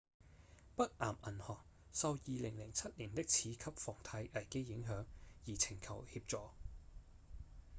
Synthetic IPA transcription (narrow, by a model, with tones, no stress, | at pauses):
pɐ˥k̚ʔaː˨˩mʔɐ˨˩nhɔː˨k̚ | sɐ˨˧wjiː˨˧lɪ˨˩ŋlɪ˨˩ŋt͡sʰɐ˥t̚liː˨˩nt̪ɪ˥k̚t͡sʰiː˨˥kʰɐ˥p̚fɔː˨˩ŋt̪ʰɐ˨˧˥jʔɐ˨˩jke˥jːɪ˨˥ŋɦœː˨˥ŋjiː˨˩t͡sʰɪ˨˩ŋkʰɐ˨˩whiː˧p̚t͡sɔː˨